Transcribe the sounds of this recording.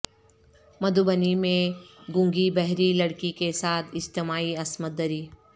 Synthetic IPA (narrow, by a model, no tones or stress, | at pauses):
mɐd̪ʱubənimẽɡʊ̃ŋɡibɛɦɾilɐɽkikesaːt̪ʰɪd͡ʒt̪ɪmaːiɐsmət̪̚d̪əɾiː